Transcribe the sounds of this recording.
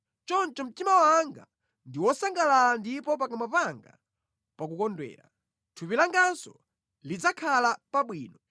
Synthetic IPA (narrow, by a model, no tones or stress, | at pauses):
t͡ʃɔnt͡ʃɔm̩timawaŋɡa̰ | ndiwɔsaŋɡalandipɔp̬akamapaŋɡa̰ | pakukɔndwɛ̰ːɾa̰ | tʰupilaŋɡansɔ̰ | lid͡zakʰalapaɓwiːnɔ